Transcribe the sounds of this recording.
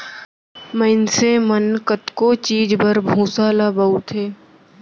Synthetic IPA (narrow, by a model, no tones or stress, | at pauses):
məɪnsemənkət̪kot͡ʃiːd͡ʒbəɾbʱũːsalabaut̪ɦeː